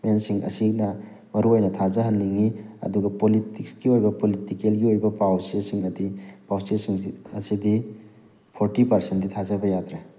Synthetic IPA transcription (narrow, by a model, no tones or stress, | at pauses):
mensiŋɐ̰sinɐ | mɐɾuojnɐtʰazɐɦɐnːiŋiɐ̰duɡɐpolitik̚sɡiojbɐpolitikelɡiojbɐpawsesiŋɐdipawstelsiŋɐ̰sidi | pʰoɾtipɐɾsentdit̪ʰazɐbɐjat̪ɾe